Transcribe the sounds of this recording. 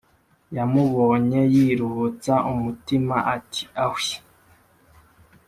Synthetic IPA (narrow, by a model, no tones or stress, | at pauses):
jamuβo̞ɲe̞jiɾuhut͡saʔumutimaʔatʰi̥awi